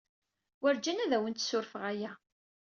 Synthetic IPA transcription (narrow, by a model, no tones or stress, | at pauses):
wæɾd͡ʒænæðæwənt̪ːsʊɾfəʁæjæ